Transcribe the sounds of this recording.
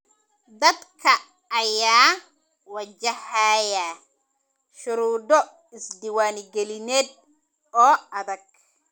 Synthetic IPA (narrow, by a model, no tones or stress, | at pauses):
d̪ɐd̪kʰɐː | jaː | wɐd͡ʒɐhaːjɐ | ʃʊɾuːd̪ɔ | ɪsd̪ɪwaːnɪɡɛlɪnɛːd̪̚ | ɔːɐðɐɡ̥̚